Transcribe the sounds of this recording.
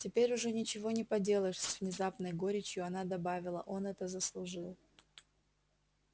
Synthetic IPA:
tʲɪpʲeɾʲʊʐɛnʲɪt͡ɕɪvo̞nʲɪpɐdʲe̞lˠəʂsʲvnʲɪzapnəjɡo̞ɾʲɪt͡ɕjʊɐnad̪ɐbavʲɪlˠəʔo̞nɛt̪əzəslˠʊʐɨlˠ

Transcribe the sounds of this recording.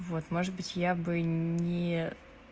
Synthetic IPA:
vo̞t̪mo̞ʐɨd̪̚bɨtʲjabɨnʲɪ

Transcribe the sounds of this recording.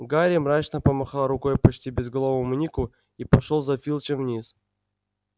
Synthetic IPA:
ɡaɾʲimɾat͡ɕnəpəmɐxalˠɾʊko̞jpɐt͡ɕtʲibʲɪzɡɐlˠovəmʊnʲikʊ | ipɐʂolˠzɐfʲilˠt͡ɕɪmvnʲis

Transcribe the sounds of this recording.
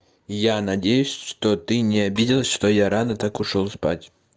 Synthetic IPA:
janɐdʲejʊsʲʂt̪ot̪ɨnʲɪɐbʲidʲɪlˠəsʲʂt̪ojaɾanət̪akʊʂolˠspa̰tʲ

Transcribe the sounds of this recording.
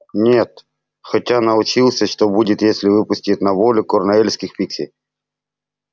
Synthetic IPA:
nʲe̞t̪ | xɐtʲanəʊt͡ɕilˠsʲəʂt̪obudʲɪt̪jesʲlʲɪvɨpʊsʲtʲɪt̪̚ʲnɐvolʲʊkornɐelʲsʲkʲɪxpʲiksʲɪ

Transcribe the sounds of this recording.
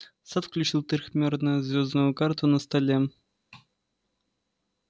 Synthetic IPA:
sat̪fklʲut͡ɕilˠt̪ɨrʲxmʲornəjzʲvʲoznujʊkart̪unəst̪ɐlʲe

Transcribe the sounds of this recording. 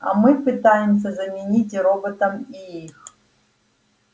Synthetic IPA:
a̰mɨpɨt̪ajɪms̬ʲɐzɐmʲɪnʲitʲɾobət̪əmiix

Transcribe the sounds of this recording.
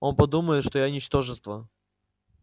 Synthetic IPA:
o̞npɐd̪uməjɪt̪ʂt̪ojanʲɪt͡ɕt̪o̞ʐɨst̪və

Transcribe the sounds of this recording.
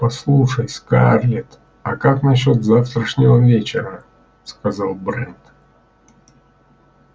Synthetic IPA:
pɐslˠuʂəjskarlʲɪt̪ | ɐkaknɐɕo̞t̪zaft̪ɾəʂnʲɪvəvʲet͡ɕɪɾə | skɐzalˠbɾɛnt̪

